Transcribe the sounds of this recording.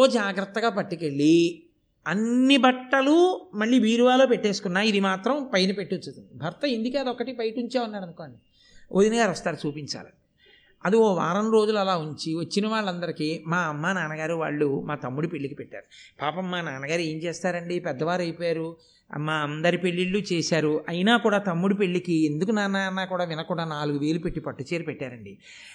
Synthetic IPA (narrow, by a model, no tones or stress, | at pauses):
oːd͡ʒaːɡɾɐt̪ːɐɡaːpɐʈːike̞ɭːi | ɐnːibɐʈːɐlumɐɭːiʋiːɾʋaːlo̞ːpeʈːe̞ːsu̥kunːaːid̪imaːt̪ɾɐmpɐjɐnɐpe̞ʈːit̪ːut̪ːund̪ibʱɐɾt̪ɐind̪ikeːd̪ɐɔkːɐʈipɐjʈuɲt͡ʃaːunːaːɾɐnukoːɐɳɖi | ʔoːd̪inɐɡaːɾɐst̪aːɾut͡ʃuːpiɲt͡ʃa̰ːla̰ | ɐd̪ioːʋa̰ːɾɐnɾo̞ːd͡ʒulɐlaːuɲt͡ʃiʋɐt͡ʃːinɐʋaːɭːɐnd̪ɐɾikimaːɐmːaːnaːnɐɡaːɾuʋa̰ːɭːumaːt̪ɐmːuɽupeɭːikipɛʈːa̰ːɾupaːpɐmːaːnaːnɐɡaːɾue̞ːɲt͡ʃeːst̪aːɾɐɳɖipɛd̪ːɐʋaːɾɐjpːjaːɾṵ | maːɐnd̪ɐɾipe̞ɭːiɭːut͡ʃeːsaːɾuɐjnaːkuːɽaːt̪ɐmːuɽupe̞ɭːikiend̪ukunaːnaːɐnːaːkuːɽaːʋinɐkuːɽaːnaːluɡuʋeːlupe̞ʈːipɐʈːut͡ʃeːɾipɛʈːaːɾɐɳɖi